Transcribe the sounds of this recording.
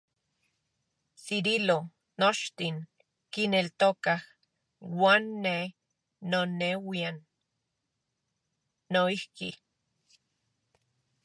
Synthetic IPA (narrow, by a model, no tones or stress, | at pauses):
siɾilo | not͡ʃt̪iŋ | kinelt̪okah | waːnːe | nonewian | oihki